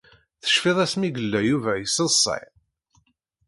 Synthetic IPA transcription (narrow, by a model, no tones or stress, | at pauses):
θə̥ʃfɪðˤæsmiɡəlːæjuvæjəsəsˤːɑ̰j